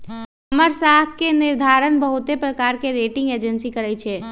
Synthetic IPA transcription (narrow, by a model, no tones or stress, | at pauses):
əməɾsakkenɪɾd̪ʱaːɾənbəɦʊt̪epɾəkaːɾkeɾeːʈɪ̃ŋɡeːd͡ʒənsikəɾəjt͡ʃʰe